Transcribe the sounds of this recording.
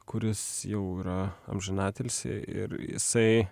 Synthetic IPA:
kʊɾʲɪsjɛʊiːɾɐɐ̰mʲʒʲɪnɑːt̪ʲɛlʲsʲɪ̰ɪ̰ɾjɪ̰sɐɪ

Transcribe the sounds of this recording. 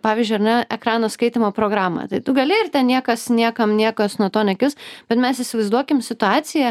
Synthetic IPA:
pɑːʋʲiːzʲd͡ʒʲʊɪɐɾnʲɛɛkɾɑːnoːskɐɪt̪ʲiːmoːpɾoːɡɾɑːmɑ̰t̪ɐɪt̪ʊɡɐlʲɪɪrt̪ʲɛnnʲiɛkɐsnʲiɛkɐmnʲiɛkɐsnuɔt̪oːnʲɛkʲɪlsb̥ʲɛt̪mʲɛsɪsʲɪʋɐɪzd̪uɔkʲɪmsʲɪt̪ʊɑːsʲɪjɛ

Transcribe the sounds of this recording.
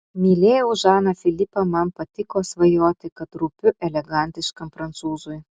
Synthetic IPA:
mʲiːlʲeːjɛʊʒɑːnɐfʲɪlʲɪpɐmɐmpɐt̪ʲɪkoːsʋɐjoːt̪ʲɪkɐt̪ɾʊpʲʊʔɛlʲɛɡɐnʲt̪ʲɪʃkɐmfɾɐnt̪suːzʊj

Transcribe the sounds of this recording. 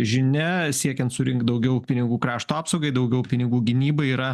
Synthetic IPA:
ʒʲɪnʲɛsʲiɛkʲɛnt̪sʊɾʲɪŋkt̪̚d̪ɐʊɡʲɛʊpʲɪnʲɪɡuːkɾɑːʃt̪uːɑːpsɐʊɡɐɪd̪ɐʊɡʲɛʊpʲɪnʲɪɡuːɡʲɪnʲiːbɐiːɾɐ

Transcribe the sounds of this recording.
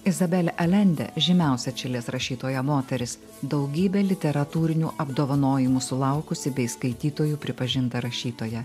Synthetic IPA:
ɪzɐbʲɛlʲɛʔɐlʲɛnʲd̪ʲɛ̰ʒʲɪmʲɛˑʊsʲɛt͡ʃʲɪlʲeːsɾɐʃʲiːt̪oːjɛmoːt̪ʲɛɾʲɪs | d̪ɒʊɡʲiːbʲeːlʲɪt̪ʲɛɾɐt̪uːɾʲɪnʲuːʔɐbd̪oːʋɐnoːjɪmuːsʊlˠɐˑʊkʊsʲɪbʲɛɪskɐɪt̪ʲiːt̪oːjuːpʲɾʲɪpɐʒʲɪnt̪ɐɾɐʃʲiːt̪oːjɛ

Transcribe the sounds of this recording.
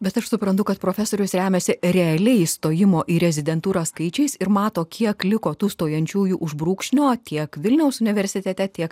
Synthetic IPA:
bʲɛt̪ɐʃsʊpɾɐnt̪ʊkɐt̪pɾoːfʲɛsoːɾʲʊsɾʲæːmʲɛsʲɪɾʲɛɐlʲɛɪst̪oːjɪmoːʔiːɾʲɛzʲɪd̪ʲɛnt̪uːɾɑskɐɪt͡ʃʲɛɪsɪɾmɑːt̪oːkʲiɛklʲɪkoːt̪uːst̪oːjɛnʲt͡ʃʲuːjuːʔʊʒbɾuːkʃʲnʲoːt̪ʲiɛkʋʲɪlʲnʲɛʊsʊnʲɪʋʲɛɾʲsʲɪt̪ʲɛt̪ʲɛt̪ʲiɛk

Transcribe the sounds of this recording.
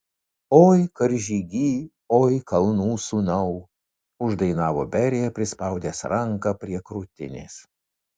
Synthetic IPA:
oːjkɐɾʲʒʲiɡʲiː | oːjkɐlˠnuːsuːnɐʊ | ʊʒd̪ɐɪnɑːʋo̰ːbʲɛɾʲejɛpʲɾʲɪspɐʊd̪ʲeːsɾɐŋkɐpʲɾʲiɛkɾuːt̪ʲɪ̰nʲḛːs

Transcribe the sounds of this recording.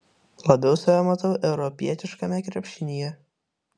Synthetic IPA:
lˠɐbʲɛʊsɐʋʲɛmɐt̪ɐʊʔɛʊɾɔpʲiɛt̪ʲɪʃkɐmʲɛkɾʲɛpʲʃʲɪnʲɪjɛ

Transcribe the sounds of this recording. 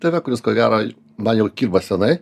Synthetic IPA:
t̪ʲeʋʲɛkʊɾʲɪskoːɡʲæːɾoː | mɐnjɛʊkʲiːɾbɐsʲɛnɐɪ

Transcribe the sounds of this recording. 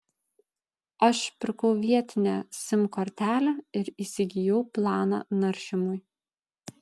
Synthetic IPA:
ɐʃpʲɪɾkɔʊʋʲiɛt̪ʲɪnʲæ̰sʲɪmkɔɾʲt̪ʲæːlʲæɪɾiːsʲɪɡʲɪjɔʊplˠɑːnɑ̰nɐɾʲʃʲɪmʊj

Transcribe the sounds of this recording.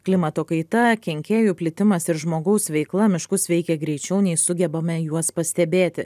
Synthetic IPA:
klʲɪmɐt̪oːkɐɪt̪ɐkʲɛŋʲkʲeːjuːpʲlʲɪt̪ʲɪmɐsɪɾʒmoːɡɐʊsʋʲɛɪklˠɐmʲɪʃkʊsʋʲɛɪkʲɛɡɾʲɛɪt͡ʃʲɛʊnʲɛɪsʊɡʲɛbɐmʲɛjuɔspɐsʲt̪ʲɛbʲeːt̪ʲɪ

